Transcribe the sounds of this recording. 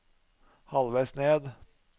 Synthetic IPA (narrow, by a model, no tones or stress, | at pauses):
hɑlʋæɪsneːd̪